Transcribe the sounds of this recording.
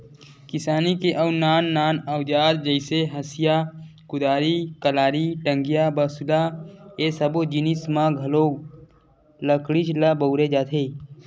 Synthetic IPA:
kɪsaːnikeʔəwnaːnːaːnəwd͡ʒaːd̪̚d͡ʒəɪseɦəsijakʊd̪aːɾikəlaːɾiʈə̃ŋɡijabəsulaesəbod͡ʒinismãɡʱɐloː | ləkɽit͡ʃlabəːɾed͡ʒaːt̪ʰeː

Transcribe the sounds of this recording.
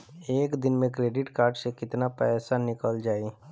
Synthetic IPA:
eːkd̪ɪnmẽkɾeːɖɪʈkaːɾɖsekɪt̪napɛːsanɪkəld͡ʒaːi

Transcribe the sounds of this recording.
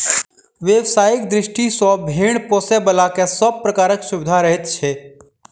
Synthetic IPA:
ʋjeʋsaːjɪk̚d̪ɾɪʃʈisɔ̃bʱiːɳpɔːsebəlakesəb̚pɾɐkaːɾəksʊʋɪd̪ʱaɾəɦɪt̪t͡ʃʰeː

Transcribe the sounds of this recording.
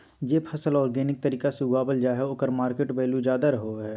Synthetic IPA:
d͡ʒeːpʰɐsəlɔːɾɡɛːnɪk̚t̪ɐɾiːkaseuɡaːbəld͡ʒaːɦeoːkəɾmaːɾkeʈbeːlud͡ʒjaːd̪aɾɐɦoɦɛː

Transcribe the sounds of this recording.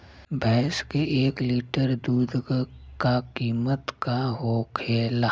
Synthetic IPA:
bɛːskeʔeːkliːʈəɾd̪uːd̪ɡkakiːmət̪kaɦokʰeːlaː

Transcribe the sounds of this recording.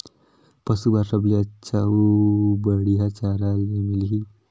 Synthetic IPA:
pəsubaɾsəbliət͡ʃʰaubəɽiɦat͡ɕaɾalemilɦi

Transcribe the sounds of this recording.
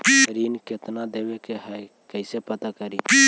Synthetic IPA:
ɾiːnket̪nad̪ebekeɦɛ | kəɪsepət̪akəɾi

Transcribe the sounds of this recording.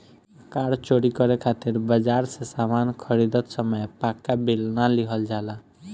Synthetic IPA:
kaɽt͡ʃoɽikɔɾekʰat̪iɾbəd͡ʒaɾsesamankʰəɾid̪ɔt̪sɔməjpakːabilnaliɦɔld͡ʒala

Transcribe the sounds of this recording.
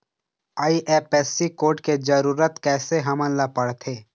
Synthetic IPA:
aːiʔeːpɛːsikoːʈked͡ʒəɾuːɾət̪kɛːseɦɐmə̃nlapəɽt̪ʰeː

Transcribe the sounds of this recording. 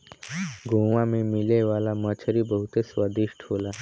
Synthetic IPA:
ɡʱoːʋãmẽmɪleʋaːlamət͡ʃʰəɾibəɦʊt̪eswaːd̪ɪʃʈɦoːlaː

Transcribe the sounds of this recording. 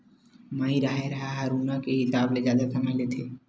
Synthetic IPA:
maiɾaɦeɾaɦaɦəɾunakeɦɪsaːbled͡ʒjaːd̪akʰəmalet̪ʰe

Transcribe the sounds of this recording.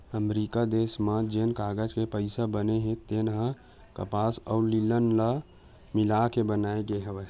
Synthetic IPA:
əmɾikad̪esmad͡ʒenkaɡəd͡ʒkepəɪsabəneɦẽt̪enɦə̃ | kəpasəulilənlə | milakebənaeɡeɦəʋɛ

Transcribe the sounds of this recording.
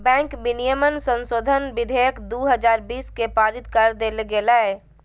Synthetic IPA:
bɛ̃ːŋkbinijəmənsə̃nsoːd̪ʱənbid̪ʱejəkd̪uːɦəd͡ʒaːɾbiːskepaːɾit̪kəɾd̪elɡelaɛ

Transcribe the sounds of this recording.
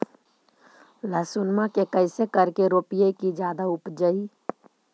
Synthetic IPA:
ləsunmakekəɪsekəɾkeɾoːpijekid͡ʒjaːd̪aʊpd͡ʒəi

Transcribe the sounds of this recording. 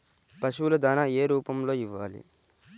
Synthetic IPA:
pɐʃulɐd̪aːnaeːɾuːpɐmlo̞ːiʋːaːlḭ

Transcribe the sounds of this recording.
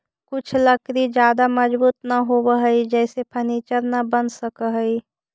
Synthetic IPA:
kʊt͡ʃʰlɐkɾid͡ʒjaːd̪amɐd͡ʒbuːt̪naɦobəɦəid͡ʒɛːsepʰɐniːt͡ʃəɾnɐbɐnsəkəɦəi

